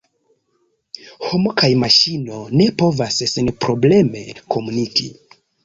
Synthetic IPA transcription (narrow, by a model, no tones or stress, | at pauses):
homo̞kajmaʃino̞ne̞po̞vassenpɾoble̞me̞kʰo̞munikḭ